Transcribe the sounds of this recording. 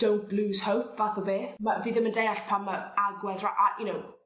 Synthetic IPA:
d̥õwnʔluːz̥howpʰvaθəbeːθməviðəməndejaɬpʰaməaɡwɛðɹaʔajunow

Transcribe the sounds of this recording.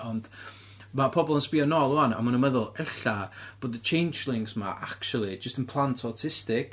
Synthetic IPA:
ɔnd | mapʰɔbɔlˠənspiɔnɔlˠuana̰manəməðʊlˠɛɬab̥oːdət͡ʃʰejnd͡ʒlˠɪŋsma̰ʔak̚t͡ʃulˠid͡ʒəstənpʰlˠantʰɔtʰɪstɪk

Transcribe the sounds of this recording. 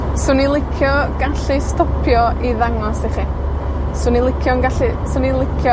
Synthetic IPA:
sʊnilˠɪkʰjɔɡ̥aɬistɔpʰjɔʔiðaŋɔsdeχi | sʊnilˠɪkʰjɔnɡaɬisʊnilˠɪkʰjɔ

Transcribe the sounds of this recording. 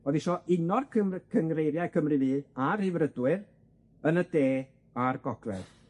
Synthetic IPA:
oðiʃɔʔɪnɔrkʰəkʰəŋrejɾjajkʰəmrɨviːarɪvrədwɨr | ənədeː | arɡ̥ɔɡlɛ̰ð̥

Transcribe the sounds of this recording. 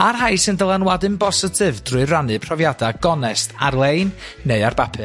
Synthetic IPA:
arɦajsɨndəlˠanwadɨmbɔsɪtʰɨvd̥rʊɨranɨpʰrɔvjadaɡɔnɛstʰarlˠejnː | eɨarb̥apʰɨ

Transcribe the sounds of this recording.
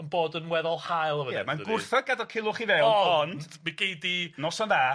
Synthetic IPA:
ənboːdənwɛðɔlˠhajlˠəvəjɛɛmanɡʊrθəɡadɔkʰɪlˠʊχivɛlˠɔnd̥miɡ̥ejdinɔsɔnða

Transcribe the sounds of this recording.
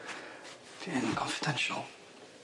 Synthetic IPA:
tʰiɪ̃nkʰɔ̃nfɪ̥dɛ̃nʃə̰lˠ

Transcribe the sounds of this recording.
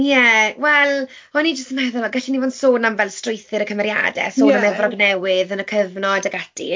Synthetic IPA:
jɛwɛlˠ | ɔnid͡ʒəstəmɛðʊlɔɡaɬinivɔndsoːnamvɛlˠstrɪjθɨɾəkʰəmɛɾja̰dɛ̰soːnamɛvrɔɡnɛwɪðənəkʰəvnɔadaɡadḭ

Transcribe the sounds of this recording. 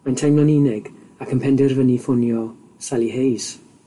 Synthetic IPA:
majntʰajmlˠɔnɪnɛɡ | akʰənpʰɛndɛrvənifʊnjɔ | salˠiɦejs

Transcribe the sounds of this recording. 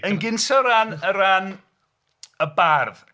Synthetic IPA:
ənɡɪnsɔɾanəɾan | əbarð

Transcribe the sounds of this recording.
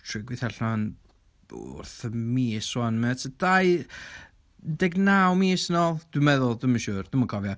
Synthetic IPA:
tʰrɪɡwɪθɛɬan | ʊ̰rθəmiːswanmɛtʰəd̥aj | dɛɡnawmisnolˠd̥ɨmɛðʊlˠdəmənʃʊːrd̥əməkʰɔvjɔ

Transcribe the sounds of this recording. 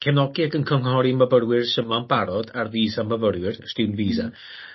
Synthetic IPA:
kʰɛnɔɡiaɡənkʰəŋhɔɾiməbəɾwɪrsəmanbaɾɔdarðiːzaməvəɾwɪrstɪwnviːza̰

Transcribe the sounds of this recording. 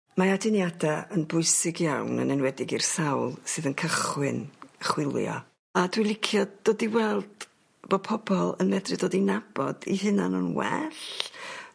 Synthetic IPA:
maadɪnjadaənbʊɨsɪɡjawnə̰nɛnwɛdɪɡirsawlˠsɨðənkʰəχwɨnəχwɪlˠjɔ̰ | adwɪlˠɪkʰjɔdd̥oːdiwɛlˠd̥ | b̥opʰɔbɔlˠənmɛdrɨdoːdinab̥ɔdḭɦɨnanənwɛ̰ɬ

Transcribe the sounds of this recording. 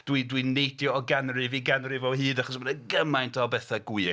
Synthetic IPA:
d̥widwinejdjɔːɡanrɨviɡanrɨvɔɦɨːdaχɔsmanəɡəmajntʰɔbɛθaɡwɪ

